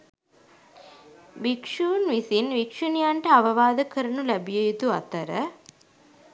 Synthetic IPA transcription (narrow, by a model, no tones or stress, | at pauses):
ʋikʂuːnʋisinʋikʂunijaɳʈəaʋɐʋaːd̪əkəɾɐnulæbijəjit̪ua̰t̪əɾə